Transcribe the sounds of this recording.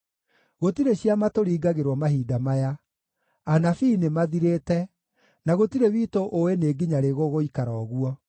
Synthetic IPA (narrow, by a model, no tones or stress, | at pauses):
ɣotiɾeɕjamatoɾiːɡaɣeɾwɔmaɦiːdamaja | anafiːnemaðiɾeːtɛ | naɣotiɾewiːtoʔoeneːɡiɲaɾeɣoɣoikaɾɔːɣuɔ